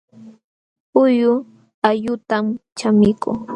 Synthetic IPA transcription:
ʊjʊ | aʎʊt̪amt͡ʃamɪkuŋ

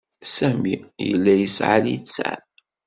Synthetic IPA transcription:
sæmḭjə̰lːæjəsʕa̰ljit͡sːa̰

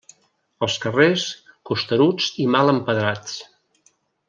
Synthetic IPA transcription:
əlˠskəreskust̪əɾud͡zimaləmpəðɾat͡s

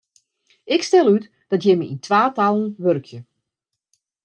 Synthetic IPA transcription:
ɪkstɛlˠyt | d̥ɑtjɛməḭntʋaːtalˠən̩ʋørkʰjə

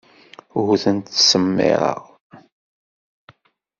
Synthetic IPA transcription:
ɣʊθənt̪səmːɪ̰ɾˤɑ̰ʁ

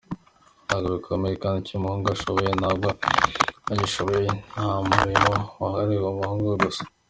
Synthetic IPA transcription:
aɡoβikʰomejekaːnicimuhuːŋɡuaʃoβojenabɡo | ajiʃoβojenhamuɾimowaɦaɾiwomuhuːŋɡuweɡusḁ

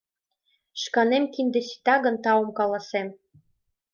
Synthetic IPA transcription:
ʃkɑnemkind̪ĕsi̥t̪ɑɣə̆nt̪ɑomkɑlɑsem

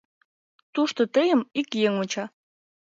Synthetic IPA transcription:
t̪uʃt̪ot̪əjəmikjeŋot͡ɕɑ

